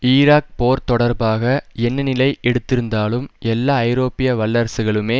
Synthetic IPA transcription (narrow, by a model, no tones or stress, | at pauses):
iːɾaːk̚poːɾt̪ɔɽɐɾbaːɣɐɛnːɐnɪlɐɪʔɛɽɯt̪ːɪɾɯnd̪aːlɯmɛlːaːɐɪɾoːpɪjɐʋɐlːɐɾsɯɣɐɭɯmeː